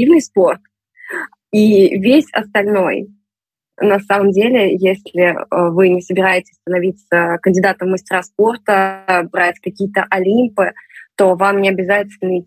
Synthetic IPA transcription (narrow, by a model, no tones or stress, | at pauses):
ivnɨjspo̞rt̪̚ | ivʲesʲɐ̰st̪ɐlʲno̞̰j | nɐsaməmdʲelʲɪjesʲlʲɪəvɨnʲɪsəbʲɪɾajɪtʲɪ̥sʲst̪ənɐvʲit̪səkənʲdʲɪd̪at̪əmːɨsʲtʲɪɾaspo̞rt̪əbɾatʲkɐkʲijət̪əʔɐlʲimpɨt̪o̞vamnʲɪɐbʲɪzatʲɪt̪ʲɪlʲnə